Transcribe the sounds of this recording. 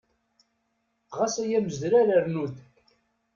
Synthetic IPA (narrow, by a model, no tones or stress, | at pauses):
ʁasæjæməzd̪ɾæɾəɾnud̪